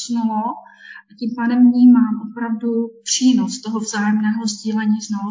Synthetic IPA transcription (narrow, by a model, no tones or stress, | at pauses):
snuloʔʔaciːmpaːdɛmvɲiːmaːmʔopɾavdupr̥iːnost̪oɦovzaːjɛmnɛːɦozɟiːlɛɲiːznalo